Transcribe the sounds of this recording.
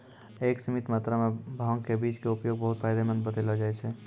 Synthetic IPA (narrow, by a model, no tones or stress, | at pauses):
eːksəmit̪mat̪ɾamẽbʱaŋkebiːt͡ʃkeʊpjoːɡ̚bəɦʊt̪̚pʰaːjd̪emə̃nd̪bət̪elɦɔd͡ʒaːɛt͡ʃʰɛ